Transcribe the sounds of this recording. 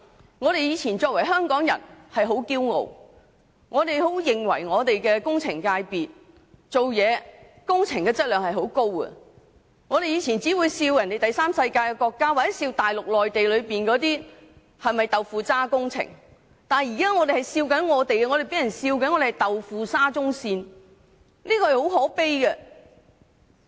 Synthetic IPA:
ŋɔː˨˧ɾe˨jiː˨˧t͡sʰiː˨˩nt͡ʃɔː˧k̚wɐ˨˩jɦœː˥ŋkɔː˨˥ŋjɐ̰˨˩nhɐ˨jɦo˨˥wkiː˥wŋo̰˨w | ŋɔː˨˧t̪e˨jɦo˨˥wjɪ˨ŋwɐ̰˨˩jŋɔː˨˧t̪e˨jkɛː˧kʊ˥ŋt͡sʰɪ˨˩ŋkaː˧jpiː˨t̚ | t͡ʃo˨wjɛː˨˧ | kʊ˥ŋt͡sʰɪ˨˩ŋkɛː˧t͡sɐ˥t̚lœː˨ŋhɐ˨jɦo˨˥wko˥wkɐ̰˧ | ŋɔː˨˧ɾe˨jiː˨˧t͡sʰiː˨˩nt͡siː˨˥wu˨˧jsiː˧wjɐ˨˩nt̪e˨jt̪ɐ˨jsaː˥msɐ˧jkaː˧jkɛ˧kɔː˧kːaː˥wa˨t͡sɛ˨˦˥siː˧wt̪aː˨jlʊ˨k̚lɔː˨jt̪e˨jlɵ˨˧ɥpiː˨nkɔː˨˥t̪iː˥ | hɐ˨jmɐ˨jt̪ɐ˨wfuː˨˧t͡saː˥kʊ˥ŋt͡sʰɪ̰˨˩ŋ | t̪aː˨njiː˨˩kaː˥ŋɔː˨˧t̪e˨˩hɐ˨˩jsiː˧wkɐ˨˥nŋɔː˨˧t̪e˨jɛ˧ŋɔ˨˧ɾe˨pe˨˥jɐ˨˩nsiː˧wkɐ˧˥nŋɔː˨˧ɾe˨hjt̪ɐ˨wfuː˨saː˥t͡sʊ˥ŋsiː˧n | niː˥kɔː˧hɐ˩jho˨˥whɔː˨˥pe˥jkɛ˧

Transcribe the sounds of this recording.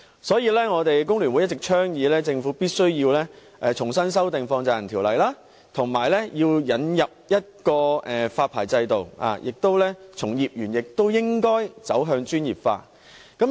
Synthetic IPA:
sɔː˨˥jiː˧lɛː˥ŋɔː˨˧t̪e˨jkʊ˥ŋlyː˨˩nwu˨˥jɐ˥tt͡sɪ˨˩k̚t͡ʃʰœː˥ŋjiː˨˧lɛː˥t͡sɪ˧ŋfuː˨˥piː˥t̚sɵ˥ɥjiː˧wlɛː˥ | ʔɛ˧t͡ʃʰʊ˨˩ŋsɐ˥ns̬ɐ˥wt̪ɪ˨ŋfɔː˧ŋt͡sɐː˨jɐ˨˩nt̪ʰiː˨˩wlɐ˨˩jlaː˥ | t̪ʰʊ˨˩ŋmaː˨˩jlɛː˥jiː˧wjɐ˨˥njɐ˨p̚jɐ˥t̚kɔː˧ɛː˨˩faː˧t̚pʰaː˨˩jt͡sɐ˧jt̪o˨wa̰ː˨jɪ˨k̚t̪o˥wlɛː˥t͡sʰʊ˨˩ŋjiː˨p̚jyː˨˩njɪ˨k̚t̪o˥wjɪ˥ŋkɔː˥jt͡sɐ˨˥wɦœː˧ŋt͡ʃyː˥njiː˨p̚fa̰ː˧t | kɐ˨˥m

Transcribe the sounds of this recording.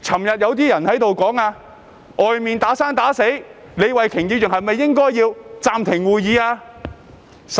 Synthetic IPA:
t͡sʰɐ˨˩mjɐ˨t̚jɐ˨˧wt̪̬iː˥jɐ˨˩nhɐ˨˥jt̪o˨wkɔː˨˥ŋaː˧ | ʔɔː˨jmiː˨nt̪aː˨˥saː˥nt̪aː˨˥se˨˥j | le˨˧jwɐ˨jkʰɪ˨˩ŋjiː˨˧wt͡sɪ˨˩ŋɦɐ˨jmɐ˨jːɪ˥ŋkɔː˥jjiː˧wt͡saː˨mt̪ʰɪ˨˩ŋwuː˨˩jjiː˨˧aː˧

